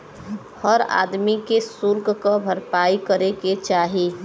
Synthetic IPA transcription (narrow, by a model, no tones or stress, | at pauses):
həɾa̰ːd̪mikesʊɾkkabʱəɾpaːikəɾeket͡ʃaːɦi